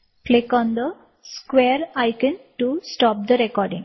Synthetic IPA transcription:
klɪkɔ̃ːnd̪ə | skʋeːɾaɪkə̃nʈusʈɔːp̚d̪əɾekɔːɾɖɪ̰̃ŋ

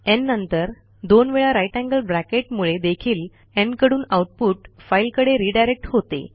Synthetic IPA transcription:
ɛnːənt̪əɾ | d̪onʋeɭaɾajʈæ̃ŋɡəlbɾækeʈmuɭed̪ekʰiːl | ɛ̃ɳɖkəɽuːnawʈ̚puːʈfailkəɽeɾiːɖajɾek̚ʈhot̪ḛ

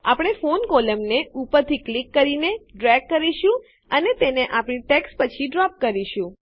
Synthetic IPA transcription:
apɽ̃efonkoləmneupəɾt̪ʰiklikːəɾineɖɾɛɡ̚ːəɾiʃũ | ənet̪eneʔapɳ̃iʈeksʈpət͡ʃʰiɖɾɔp̚kəɾiʃũ

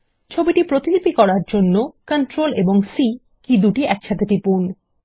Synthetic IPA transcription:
t͡ɕʰobiʈipɾot̪ilipikɔɾaɾd͡ʑonːokəɳʈɾoleboŋsi | kid̪uʈiɛkʃʰat̪ʰeʈipun

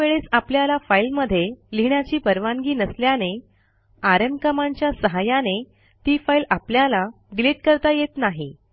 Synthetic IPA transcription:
eɭesapljalafailməd̪ʱːjeliɳjat͡ɕiːpəɾʋaŋɡiːnəsljane | aɾemkəmaɲt͡ɕjasəɦajane | t̪iːfailapljala | ɡleʈ̚kəɾt̪ajet̪naɦi

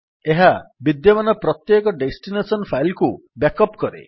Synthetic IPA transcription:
eɦabid̪jɔmanɔpɾɔt̪jekɔɖesʈinesɔnpʰajlku | bakɔpkɔɾḛ

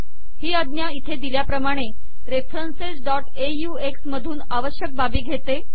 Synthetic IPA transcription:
hiːəd̪njait̪ʰed̪iljapɾəmaɽ̃e | ɾefɾənsesɖɔʈ | ejuːeksməd̪ʱuːnaʋəɕjək̚babiːɡʱet̪e

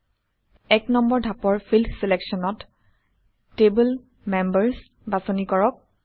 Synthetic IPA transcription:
ɛknɔmbɔɹdʱapɔɹpʰiltʰselɛksɔnɔt | tebul | membɛɹs | basonikɔɹɔk̚

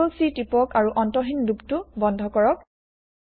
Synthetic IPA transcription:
lsitipɔkaɹuʔɔntɔɦinluptʊbɔndʱɔkɔɹɔk̚

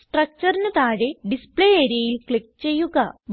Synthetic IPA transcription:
sʈrɐk̚t͡ɕɐrinɐt̪aːɻeɖispɭeeːɾijɐjilkɭik̚ːt͡ɕe̞jːuɣɐʋ

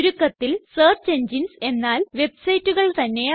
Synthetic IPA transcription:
ɾukːɐt̪ːilsɐːrt͡ɕeɲd͡ʑinse̞nːaːlʋe̞bsɐjtːuɣɐɭt̪ɐnːe̞

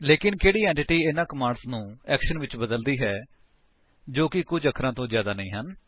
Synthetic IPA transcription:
leːkɪnkeːɽiːɛ̃ːɳʈɪʈiːɪnãːkəmaːɳɖsnũːɛːkʃənʋɪt͡ʃbəd̪əld̪iːɦɛː | d͡ʒoːkɪkʊd͡ʒəkʰɾãːt̪õːzjaːd̪aːnə̃ĩːɦən

